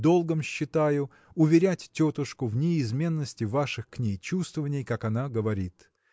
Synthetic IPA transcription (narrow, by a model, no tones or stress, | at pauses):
d̪o̞lˠɡəmɕːɪt̪ajʊ | ʊvʲɪɾʲætʲtʲːot̪əʂkʊvnʲɪːzmʲe̞nːəsʲtʲɪvaʂɨxknʲejt͡ɕust̪vəvənʲɪjkakɐnaɡəvɐɾʲit̪